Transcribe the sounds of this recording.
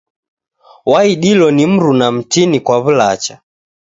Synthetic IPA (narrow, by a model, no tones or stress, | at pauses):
waiɗilɔnim̩ɾunam̩tinikwaβulat͡ʃa